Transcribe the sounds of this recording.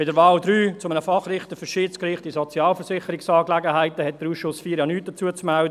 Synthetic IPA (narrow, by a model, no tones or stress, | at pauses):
pɪdəɾvɑːldɾyːt͡sʊmənəfɑχrɪχtəfʏʃiːt͡skɾɪχtisɔt͡sjɑːlfəɾsɪχəɾɪksɑːklɛɡəɦæɪtəhɛt̚d̥əɾuːsʃʊsfiːɾjanyːt̚d̥ət͡suət͡smɛældə